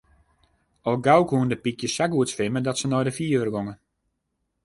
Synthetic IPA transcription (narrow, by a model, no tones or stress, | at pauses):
ɔlˠɡawkɦuəndəpikjəsakuətsfɪmədɔtsənɔjdəfiəərɡoŋə